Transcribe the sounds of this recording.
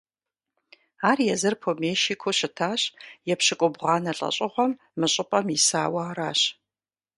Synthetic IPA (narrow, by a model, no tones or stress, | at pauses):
aːrjɛzɨrpʰomeːʃiːkʷʰʊɕɪtʰaːɕjɛpɕɪkʷʼʊbʁɑːnɐɬʼɐ̰ɕʼɪʁʷɔmːɨɕʼɪpʼɐmisaːwɐaːɾaːɕ